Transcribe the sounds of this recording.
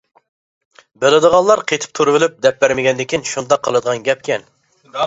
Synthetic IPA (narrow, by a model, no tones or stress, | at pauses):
bɪlɪd̪əʁɑnlˠɑɾqʰet̪ʰɪ̥p̚t̪ʰuɾɨvɪlyp̚d̪ɛp̚bæɾmɪɡʲɛnd̪ɪkʲinʃund̪ɑqʰːəlˠɨd̪əʁɑnɡʲɛp̚kʲʰɛn